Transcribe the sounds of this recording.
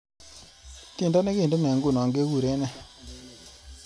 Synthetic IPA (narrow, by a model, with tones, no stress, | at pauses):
ti˦˨ndɔ˦ne˦ke˦˨de˦nɛ˨ŋɡu˦˨nɔ˨ŋɡe˦ku˦˨ɾe˦nɛ˦